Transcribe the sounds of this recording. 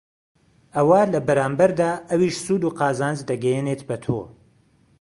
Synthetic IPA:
ʔɐwaːlɐbɐɾaːmbɐɾd̪aːɐwiʃsuːd̪uːqɑːzaːnd͡ʒd̪ɐɡɛjenet̪bɐt̪ʰo̰

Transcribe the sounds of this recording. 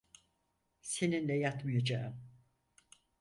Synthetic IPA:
se̞ninlʲɛjat̪mɯjad͡ʒaːɯm

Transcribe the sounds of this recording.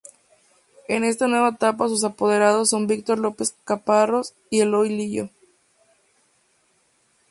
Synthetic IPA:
e̞ne̞s̬t̪anwe̞βaet̪apas̬us̬apo̞ð̞e̞ɾað̞o̞sːo̞mbik̚t̪o̞ɾlo̞pe̞skaparo̞s | ie̞lojliʝo̞̰

